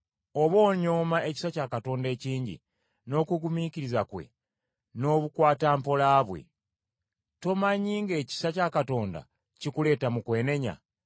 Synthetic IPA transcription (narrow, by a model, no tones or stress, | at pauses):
o̞βo̞ːɲo̞mae̞ci̥sacakato̞ːnde̞ːciːɲɟḭ | no̞ːkuɡumiciɾizakwe̞̰ | no̞ːβukwaːtaːmpo̞laːβwe̞̰ | to̞maɲiːŋɡe̞ːci̥sacakato̞ːnda̰ | cikule̞ːtamukwe̞ːne̞ɲa̰